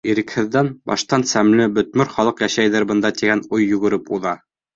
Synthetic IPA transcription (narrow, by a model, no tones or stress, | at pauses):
iɾɘ̆khɘ̆ðːænbɑ̰ʃt̪ɑnsæmlɘbɵ̆t̪̚mɘɾχɑlˠɤqjæʃæjðɘɾbɤ̆nd̪ɑt̪iɡænujːɵ̆ɡɘ̆ɾɘpuðɑ